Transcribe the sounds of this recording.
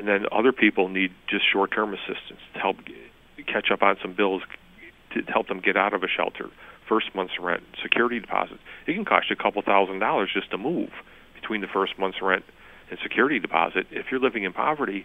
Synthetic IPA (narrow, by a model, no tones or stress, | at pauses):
ɨ̃nðɨ̃nʌ̰ðə˞pʰipl̩ˠnid̚d͡ʒʌstʃɔɹtʰɜ̃˞mɨsɪstɨn̩stʰɨhɛlˠp̚ | kʰæt͡ʃʌpn̩sʌ̃mbɪlˠz̥ | tʰɨhɛlˠp̚ðə̃mɡɛɾaʊɾʌvɨʃɛ̰lˠtʰə̰˞fɜ˞st̚mʌ̃nθsɹɛ̰̃ntsɨkʰj̥ʊɹɨɾidɨpʰɑ̰zɨtɨt̚kʰɨ̃n̩kʰɑ̰ʃɨkʰʌpl̩ˠθaʊzndɑlˠə˞zd͡ʒʌstʰəmuv̥ | b̥ɨtʰw̥ĩnðɨfɜ˞st̚mʌ̃nθsɹɛ̃nt | ɨ̃nsɨkʰj̥ʊɹɨɾidɨpʰɑ̰zɨɾɪfjə˞lɪvɪ̃ŋɨ̃npʰɑ̰və˞ɾi